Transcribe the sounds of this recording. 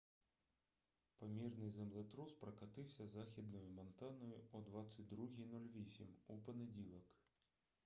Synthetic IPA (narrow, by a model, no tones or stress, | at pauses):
pamʲirnɨzɐmlˠat̪ɾuspɾɐkat̪ɨwsʲɐzaxʲid̪nɔjumɐnt̪anɔjuɔd̪vat̪sːɨt͡sʲd̪ɾuɣʲinɔlʲvʲisʲimupɐnɐd͡zʲilˠɐk